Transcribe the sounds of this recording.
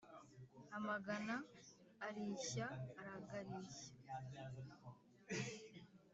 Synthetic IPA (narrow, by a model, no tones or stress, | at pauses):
amaɡanaː | ɾiːɕaːɾaɡaɾiːçḁ